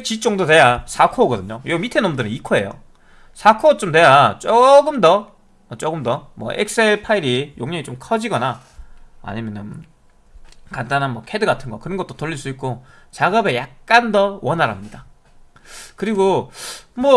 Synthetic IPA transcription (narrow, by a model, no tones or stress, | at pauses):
t͡ɕit͡ɕ͈oŋdote̞jasʰakʰoɡʌdɯɲojomitʰenomdɯɾɯnikʰoe̞̰jo̰ | sʰakʰot͡ɕ͈omtwe̞jat͡ɕ͈oɡɯmdʌ | ʌt͡ɕ͈oɡɯmdʌmwʌ̰ʔḛk̚s͈eɭpʰaiɾijoŋɲʌŋit͡ɕomkʰʌd͡ʑiɡʌna | a̰ɲimjʌnɯn | kant͈anɦanmwʌkʰedɯɡatʰɯnɡʌkɯɾʌnɡʌt͈̚otoʎːiɭs͈uik͈̚o | t͡ɕaɡʌbe̞jak̚k͈andʌwʌnaɾɦamɲida | kɯɾiɡo | mwʌ